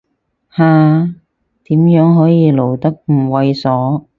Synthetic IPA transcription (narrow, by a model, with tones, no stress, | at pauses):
haː˧ | t̪iː˨˥mjœː˨˥ŋɦɔː˨˥jiː˨˧lo˨˩wt̪ɐ˥k̚m̩˨˩wɐ˧jsɔː˨˥